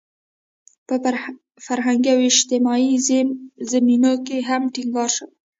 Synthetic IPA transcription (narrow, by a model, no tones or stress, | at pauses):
pə | faɾɦaŋɡiawɪʃt̪ɪmɑizzaminokeɦamʈiŋɡɑɾʃəw